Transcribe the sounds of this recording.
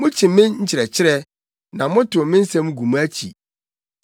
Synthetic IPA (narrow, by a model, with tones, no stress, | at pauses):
mʊ̃˦t͡ɕʰɪ̃˨˦mɪ̃˦nɲ̩˦t͡ɕʰɪ˨ɾɛ˨t͡ɕʰɪ˦ɾɛ˦ | nã˨˦mʊ̃˦tʰʊ˨mɪ̃˦n̩˦sã˦mũ˦ɡu˨mũ˦æ˦t͡ɕʰḭ˨